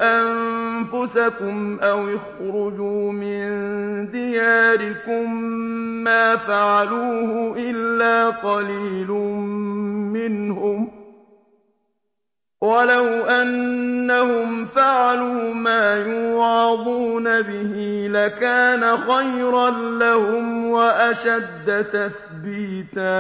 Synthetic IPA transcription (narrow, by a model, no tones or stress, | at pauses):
ʔamfʊsakʊmʔawɪxɾʊd͡ʒuːmɪnnd̪ɪjaːɾɪkʊmː | aːfaʕaluːhʊʔɪlːaːqɑliːlʊ | mɪnhʊm | walawʔanːahʊmfaʕaluːmaːjuʕɑd̪ˤuːnabɪhiːlakaːnaxajɾɑnlahʊmwaʔaʃad̪ːat̪aθ | biːt̪aː